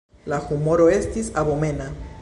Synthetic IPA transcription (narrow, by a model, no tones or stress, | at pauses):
laxumoɾoest̪isaβomena